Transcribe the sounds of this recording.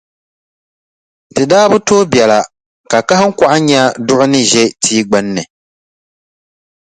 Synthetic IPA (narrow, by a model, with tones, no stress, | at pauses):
tɨ˨daː˦bɨ˦toː˦bjɛ˨la˨ | ka˨ka˦hɨ˦ŋ̩˦kʷa˦ʔa˦ɲa˦dʊ˦ʔʊ˦nɨ˦ʒɛ˦tʰiː˦ɡ͡ba˦nːɨ˨